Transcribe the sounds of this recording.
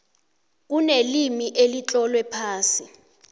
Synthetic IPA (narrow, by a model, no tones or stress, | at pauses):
k̬unelimiʔelit͡ɬʼɔlwɛpʰaːsi